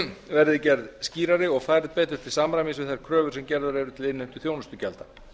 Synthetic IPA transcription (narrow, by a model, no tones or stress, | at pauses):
vɛɾðɪcɛɾðsciːɾaɾɪɔɣfaːjɾɪðpɛːt̪ʏɾ̥t̪ʰɪlsamɾajmisvɪθajɾ̥kʰɾœːvʏɾ̥sɛmcɛɾðaɾɛɾʏt̪ʰɪlɪnːejm̥t̪ʏ̥θjownʏst̪ʏcɛlt̪a